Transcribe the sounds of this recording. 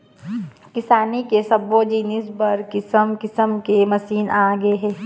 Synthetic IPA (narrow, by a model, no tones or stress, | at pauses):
kɪsaːnikesɐboːd͡ʒiːnɪsbɐɾkɪsəmkɪsəmkemɐsiːnʔaːɡeɦɛː